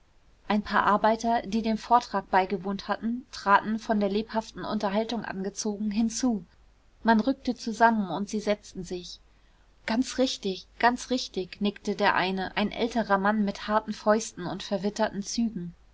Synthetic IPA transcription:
ʔaɪnpʰaːɐʔaɐbaɪtɐdiːdeːnfoːɐtʁ̥aːk̚b̥aɪɡəvoːnthatn̩tʁ̥aːtn̩fɔndeːɐleːphaftn̩ʔʊ̰ntɐɦaltʊŋʔa̰nɡət͡soːɡŋ̩ɦɪnt͡suː | manʁʏk̚tət͡suzamənʊntz̥iːzɛt͡stn̩zɪç | ɡ̥ant͡sʁɪçtɪçɡ̥ant͡sʁɪçtɪçnɪktədeːɐʔa̰ɪnəʔa̰ɪnʔɛ̰ltəʁɐmanmɪthaɐtn̩fɔʏstn̩ʊntfɛɐvɪtɐtn̩t͡syːɡŋ̩

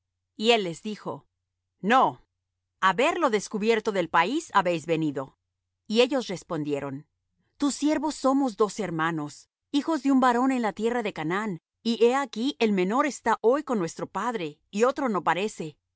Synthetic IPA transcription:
ie̞lːe̞zðixo̞̰ | no̞ | aβe̞ɾlo̞ðe̞skuβje̞ɾt̪o̞ðe̞lpaisaβe̞jzβe̞niðo̞ | ie̞ʝo̞sre̞spo̞nd̪je̞ɾo̞n | t̪usːje̞ɾβo̞sːo̞mo̞zd̪o̞se̞ɾmãno̞s | ixo̞zðeumbaɾo̞ne̞nlat̪je̞raðe̞kanan | iʔe̞akiʔe̞lmẽ̞no̞ɾe̞st̪aʔo̞jko̞nːwe̞st̪ɾo̞paðɾe̞ | io̞t̪ɾo̞no̞paɾe̞se̞

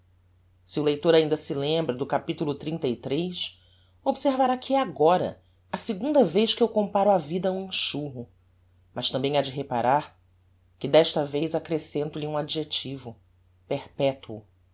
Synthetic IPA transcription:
siʊlejt̪oɾaĩnd̪ɐsɪlẽmbɾɐd̪ʊkapit̪ulʊt̪ɾĩnt̪ɐit̪ɾejs | obseɾvaɾakʰɪɛaɡɔɾɐ̰ | ɐsɪɡũnd̪ɐvejʃkɪewkõmpaɾʊavid̪ɐũĩʃuɦʊ | mɐʃt̪ɐ̃mbẽj̃ad͡ʒɪɦepaɾaɾ | kɪd̪ɛʃt̪ɐvejzakɾesẽnt̪ʊliũad͡ʒiʒet͡ʃivʊ | pehpɛt̪uʊ

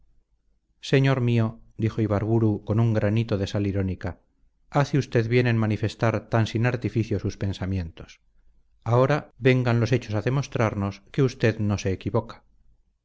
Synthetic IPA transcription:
se̞ɲo̞ɾmio̞d̪ixo̞iβaɾβuɾuko̞nuŋɡɾanit̪o̞ðe̞saliɾo̞nika | aθiust̪e̞ðβje̞nenmanife̞st̪aɾt̪ansinaɾt̪ifiθjo̞suspe̞nsamjẽ̞nt̪o̞̥s | ao̞ɾaβe̞ŋɡanlo̞s̬e̞t͡ʃo̞saðe̞mo̞st̪ɾaɾno̞ske̞ust̪e̞ðno̞se̞ːkiβo̞kḁ

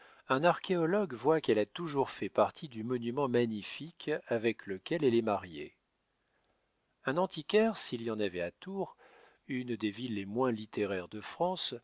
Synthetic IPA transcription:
ɛ̃naʁkʲʰeɔlɔɡvwakɛlat̪uʒuʁfɛpaʁt̪ʰid̪ymɔnymɑ̃maɲifikʰavɛkləkʲɛlɛlɛmaʁjḛ | ɛ̃nɑ̃t̪ikʲɛʁsilijɑ̃navɛat̪uʁ | ynd̪evilːemwɛ̃lit̪eʁɛʁd̪əfχɑ̃s

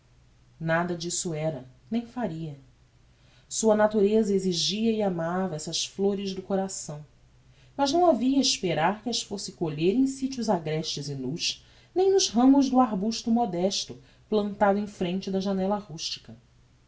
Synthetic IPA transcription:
nad̪ɐd͡ʒisʊɛɾɐnẽj̃faɾiɐ | suɐnat̪uɾezɐeziʒiɐiamavɐɛsɐsfloɾɪʒd̪ʊkoɾasɐ̃w̃ | mɐʒnɐ̃w̃aviɐiʃpeɾaɾkɪɐʃfosɪkoʎeɾẽj̃sit͡ʃʊzaɡɾɛʃt͡ʃɪzɪnuʃ | nẽj̃nʊzɦɐ̃mʊʒd̪ʊaɦbuʃt̪ʊmɔd̪ɛʃt̪ʊ | plɐ̃nt̪ad̪ʊẽj̃fɾẽnt͡ʃɪd̪ɐʒanɛlahuʃt͡ʃi̥kɐ

